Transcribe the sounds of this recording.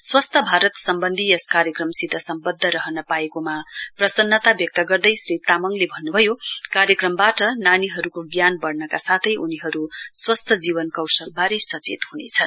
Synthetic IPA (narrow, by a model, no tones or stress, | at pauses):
swʌst̪ʰʌbʱaɾʌt̪sʌmbʌnd̪ʱieskaɾjʌkrʌmsit̪ʌsʌmbʌd̪ʱːʌɾʌɦʌnʌpaekomaprʌsʌnːʌt̪abjʌk̚t̪ʌɡʌrd̪ʌjsrit̪amʌŋlebʱʌnːubʱʌjokaɾjʌkrʌmbaʈʌnaniɦʌɾukoɡjanbʌɽnʌkasat̪ʰʌjʔuniɦʌɾuswʌst̪ʰʌd͡ziβʌnkʌwsʌbaɾesʌt͡sḛt̪hunet͡sʰʌn